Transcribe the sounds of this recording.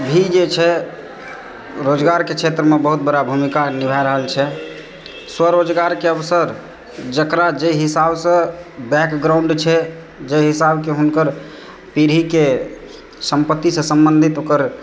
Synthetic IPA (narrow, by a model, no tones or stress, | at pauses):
bʱid͡ʒet͡ʃʰɛ | ɾod͡ʒɡaɾkekʰet̪ɾəmebəɦut̪̚bəɾabʱumikanibʱaɾəɦəlt͡ʃʰɛ | swəɾod͡ʒɡaɾkeəbsəɾ | d͡ʒəkɾad͡ʒeɦisabsə̃bɛkɡɾauɳɖt͡ʃʰɛ | d͡ʒeɦisabkeɦunkəɾ | piɾike | səmpət̪ːisə̃səmbənd̪ʱit̪okəɾ